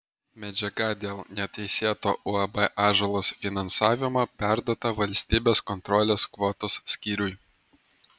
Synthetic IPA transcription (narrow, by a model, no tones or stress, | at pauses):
mʲɛd͡ʒʲɛɡɐd̪ʲeːlˠnʲɛt̪ɐɪsʲeːt̪oːʔʊɐbɛʔɑːʒɛlˠoːsfʲɪnɐnsɑːʋʲɪmopʲæˑɾd̪oːt̪ɐʋɐlʲsʲt̪ʲiːbʲeːskɔnt̪ɾɔlʲeːskʋoːt̪oːsːʲkʲiːɾʲʊj